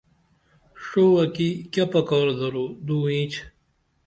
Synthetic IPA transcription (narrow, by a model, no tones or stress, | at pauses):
ʂoːɐkikʲɐpɐkɔːɾd̪ɐɾod̪uːĩːt͡ɕʰ